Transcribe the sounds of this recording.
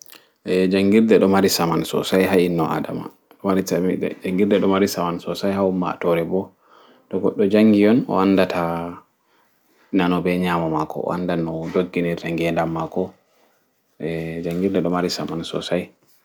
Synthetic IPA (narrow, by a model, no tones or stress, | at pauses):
ʔɛd͡ʒaŋɡiɾdɛɗɔmaɾisamansɔ̰sajɦainːɔʔa̰da̰ma̰ | ɗɔmaɾid͡ʒaŋɡiɾdɛɗɔmaɾisamansɔsajhaumːa̰tɔɾɛbɔ | tɔɡɔɗːɔd͡ʒaŋɡijɔnɔ̰andatʰa | nanɔbɛɲaːmamakɔ̰a̰ndanɔdoɡːinɛɾtaŋɡɛndamːakɔ | ʔɛd͡ʒaŋɡiɾdɛɗɔmaɾisamansɔ̰saj